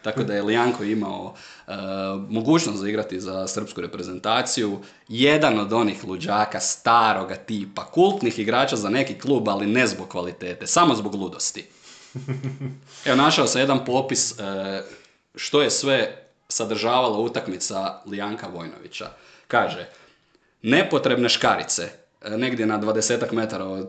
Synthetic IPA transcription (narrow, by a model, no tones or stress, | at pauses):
t̪akod̪ajeliaŋkoimao | mo̞ɡuːt͡ʃnost̪zaiɡɾat̪izasər̩pskuɾe̞pɾe̞ze̞nt̪aːt̪siju | je̞d̪ano̞d̪o̞nixlˠud͡ʒaːkast̪aːɾo̞ɡat̪iːpakulˠt̪nixiɡɾaːt͡ʃazane̞kiklˠuːbaline̞zbo̞ɡ̚kːʋalit̪e̞ːt̪e̞samo̞zbo̞ɡlˠud̪o̞st̪i | e̞o̞naʃaosamje̞d̪anpo̞ːpis | ʃt̪o̞je̞sʋe̞ | sad̪ɾ̩ʒaːʋalˠaut̪akmit̪salijaːŋkaʋo̞jno̞̰ʋḭt͡ɕa̰ | kaːʒe | ne̞po̞t̪ɾe̞bne̞ʃkaɾḭt̪se | ne̞ɡd̪je̞nad̪ʋad̪e̞se̞ːt̪akme̞t̪aɾao